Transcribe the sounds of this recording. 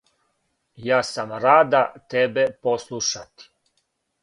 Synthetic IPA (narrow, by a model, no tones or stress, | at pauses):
jaːsamɾaːd̪at̪ebeposlˠuʃat̪i̥